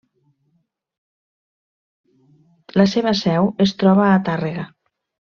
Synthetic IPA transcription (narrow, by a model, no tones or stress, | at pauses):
laseβasɛwest̪ɾɔβ̞aːt̪areɣa